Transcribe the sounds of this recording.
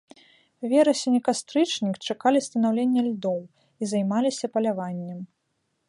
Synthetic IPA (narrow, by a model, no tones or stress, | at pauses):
vʲɛɾɐsʲinʲikast̪ɾɨt͡ʂnʲikt͡ʂakalʲist̪ɐnawlʲenʲːɐlʲd̪ɔw | izajmalʲisʲɐpɐlʲavanʲːɛm